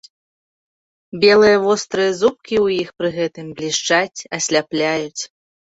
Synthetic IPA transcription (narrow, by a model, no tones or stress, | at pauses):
bʲɛlˠɨjɐvɔst̪ɾɨjɐzup̚kʲiwjixpɾɨɣɛt̪ɨmblʲiʂt͡ʂat͡sʲɐsʲlʲaplʲajut͡sʲ